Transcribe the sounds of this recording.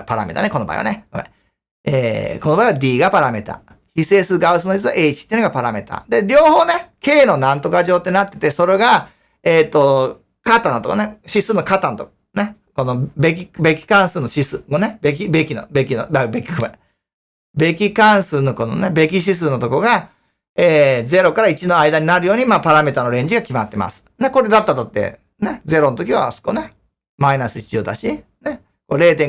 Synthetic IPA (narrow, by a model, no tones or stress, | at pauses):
paɾa̰mḛt̪a̰neko̞no̞ba̰ḭa̰neɡomḛ | ḛːkonobaiβad̪ʲiːɡapaɾame̞t̪a̰ | çise̞ːsɨɾɯ̟ɡaɯ̟s̬ɨnoit͡s̬ɨa̰ʔe̞ːit͡ɕi̥eiɯnoɡapaɾame̞t̪a̰d̪e̞ɾʲo̞ːho̞ːneke̞ːno̞nãnt̪o̞kaʑo̞ːt̪ːe̞nat̪ːe̞̥t̪e̞so̞ɾe̞ɡa | eːt̪ːo̞ | kat̪ãnt̪oka̰neɕisɨːnokat̪ãnt̪ok | ne | ko̞nobe̞k̬ʲibe̞kʲi̥kãɰ̃sɨːnoɕisɨmonebek̬ʲibe̞kʲino̰be̞kʲinobabe̞kʲi̥kɯmḛ̃ | be̞kʲikãɰ̃sɨːno̞ko̞no̞̰nebe̞k̬ʲiɕ̬is̬ɨːnot̪okoɡa | eːze̞ɾo̞kaɾait͡ɕino̞aid̪aɲ̟inaɾɯ̟jo̞ːɲ̟imaːpaɾame̞t̪ano̞ɾẽ̞ɲ̟d͡ʑiɡakʲimat̪ːe̞ma̰sɨ̥neko̞ɾe̞d̪at̪ːat̪ot̪ːḛ | ned͡ze̞ɾo̞not̪o̞kʲiβa̰so̥ko̰ne | mainasɨi̥t͡ɕioːd̪a̰ɕi | ne | koɾe̞ːt̪̬ẽ